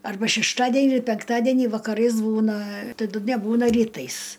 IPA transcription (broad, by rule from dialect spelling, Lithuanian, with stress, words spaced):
ɐrˈbɐ ʃʲɛʃˈtɑːdʲɛnʲiː pʲɛŋkˈtɑːdʲiɛnʲiː ʋɐkɐˈrɐɪs ˈbuːnɐ tɐˈdʊ nʲɛˈbuːnɐ rʲiːˈtɐɪs